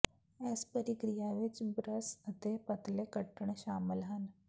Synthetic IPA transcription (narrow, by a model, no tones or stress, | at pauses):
ɛːspəɾikɾijaʋɪt͡ʃbɾəsət̪epɐt̪lekəʈəɳ̃ʃaːmɪlɦən